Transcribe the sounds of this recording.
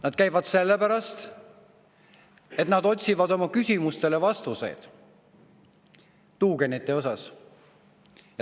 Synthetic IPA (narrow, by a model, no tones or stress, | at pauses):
nɑd̪̥̚kæjvɑd̪se̞lːepæɾɑst̪ | e̞t̪nɑd̪o̞t̪ʲsʲivɑd̪o̞mɑkysʲimust̪e̞le̞vɑst̪use̞̰jd̪̥ | t̪uːke̞nit̪ːˑe̞o̞sɑs | j